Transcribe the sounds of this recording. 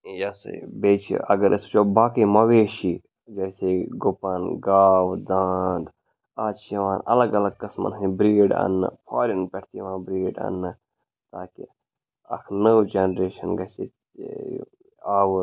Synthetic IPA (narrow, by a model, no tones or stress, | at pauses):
jɐsɐ̰beːt͡ʃʰḭʔɐ̰ɡɐɾʔɐst͡ʃʰoːbaːkiːmɐʋeːʃi | d͡ʒɐjseɡʊpɐnɡaːwd̪aːnd̪ | aːt͡ʃʰjɐʋãːnɐ̰lɐɡɐlɐɡ̚kɐsmɐ̰nɦɨ̃bɾiːɖɐ̰nːɨ̰pʰaːɾinpʲɐʈʰt̪ijʋãːbɾiːɖɐ̰nːɨ | t̪aːkḭ | ɐ̰kʰnəwd͡ʒenɾeːʃɐnɡɐsḛ | aːwu